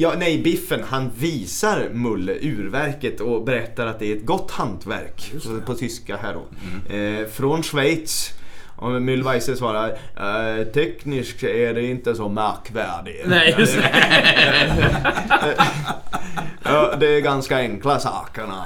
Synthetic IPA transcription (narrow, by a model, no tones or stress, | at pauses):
jɑːnɛjbɪfːənhanviːsaɾmɵlːə̰ʔʉ̟ːɾvæɾkət̪ʰɔbɛɾɛt̪ːaɾat̪̚d̪ɛæɾɛt̪̚ɡɔt̪ːhant̪ʰvæ̰ɾkpʰɔt̪ʰʏskaɦæɾɔ̰ | fɾɔnʂvɛjt̪sʔɔmʏlvajsəsvɑːɾa | t̪ʰɛknɪskæɖɛɪnt̪əsɔmɑkvæːɖɪ | ɑːd̪ɛːɾɡanskaɛŋklasɑ̰ːkaɳa̰